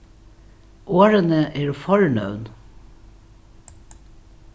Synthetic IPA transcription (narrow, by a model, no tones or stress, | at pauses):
ʔoːɹənəʔeːɹfɔɹnœ̰ʉn